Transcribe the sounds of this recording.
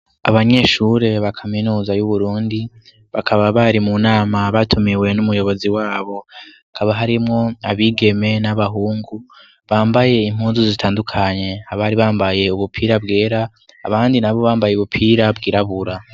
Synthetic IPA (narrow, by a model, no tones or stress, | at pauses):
a̰βaɲe̞ːʃuɾe̞βakʰaminuːzajuβuɾuːndi | βakʰaβaβaɾimunaːmaβatʰumiwe̞numujo̞βo̞ziwaːβo̞akʰaβaɦaɾimŋo̞aβiɡe̞me̞naβaɦuːŋɡu | βaːmbaje̞im̥huːnzuzitʰaːndukʰaɲe̞haβaːɾiβaːmbaje̞uβupʰiːɾabɡe̞ːɾa̰ː | βaːndinaβo̞βaːmbajeuβupʰiːɾabɡiːɾaβuɾa